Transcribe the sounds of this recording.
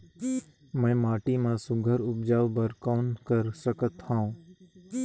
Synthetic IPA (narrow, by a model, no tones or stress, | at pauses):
mɛ̃ːmaːʈiːmãːsʊɡʱəɾʊb̚d͡ʒaːʋbəɾkoːnkəɾsəkət̪hãũː